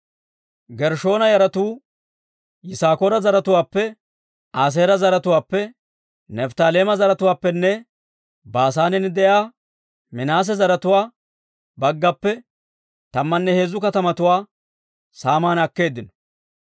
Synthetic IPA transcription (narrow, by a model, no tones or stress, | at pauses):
ɡɛɾʃo̞ːnɐjɐɾɐt̪uː | jɪsaːkoːɾɐzɐɾɐt̪ʊwaːpːɛ | aːs̬eːɾɐzɐɾɐt̪ʊwaːpːɛ | nɛft̪aːleːmɐzɐɾɐt̪ʊwaːpːɛnːɛ | baːs̬aːnɛnd̪ɛjaː | mɪnaːs̬ɛzɐɾɐt̪ʊwaː | bɐɡːɐpːɛ | t̪ɐmːɐnːɛhe̞ːzʊkɐt̪ɐmɐt̪ʊwaː | saːmaːnɐkːe̞ːd̪ːɪnɔ̥